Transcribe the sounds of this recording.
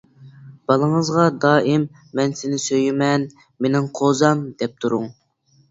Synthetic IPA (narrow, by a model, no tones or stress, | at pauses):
b̥ɑlˠəŋəzʁɑd̪ɑːʔɪmː | ɛnsɪnɪsøjɪmɛn | menɪŋqʰozɑmd̪ɛp̚t̪ʰuɾʊ̰ŋ